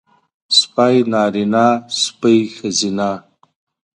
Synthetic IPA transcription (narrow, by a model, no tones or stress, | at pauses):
spajnaːɾinaːspəjxəzinaː